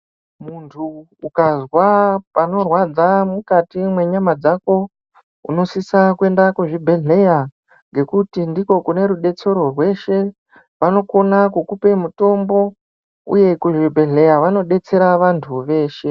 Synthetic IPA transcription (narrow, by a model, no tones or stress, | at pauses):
muntʰuː | kazwapano̞rwad͡zamukatimwe̞ɲamad͡zako̞ | ṵno̞sisakwe̞ndakuʐibʱe̞ɮe̞ja | ŋɡe̞kutindiko̞kune̞ɾuɗe̞t͡se̞ɾo̞rwe̞ʃe̞ | ʋano̞ko̞nakukupe̞muto̞mbo̞ | ṵje̞kuʐibʱe̞ɮe̞jaʋano̞ɗe̞t͡se̞ɾaʋantʰuʋe̞ːʃe̞